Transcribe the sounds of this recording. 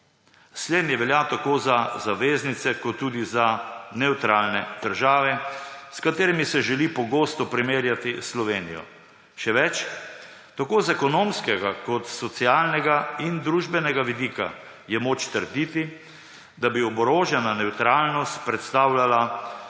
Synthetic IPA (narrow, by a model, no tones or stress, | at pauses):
sleːd̪njɛʋɛljat̪akozazaʋeznit̪sɛkɔt̪ːuːd̪izanɛwt̪ɾaːlnɛd̪̥əɾʒaːʋɛskat̪eːɾɛmisɛʒɛlipɔɡost̪ɔpɾimeːɾjat̪islɔʋeːnijɔ̰ | ʃɛʋɛt͡ʃ | t̪akoːzɛkɔnoːmskɛɡakɔt̪sɔt̪siaːlnɛɡaind̪ɾuːʒbɛnɛɡaʋid̪iːka̰ | jɛmoːt͡ʃt̪əɾd̪it̪i | d̪abiɔbɔɾoːʒjɛnanɛwt̪ɾaːlnɔst̪pɾɛt̪st̪aːwlala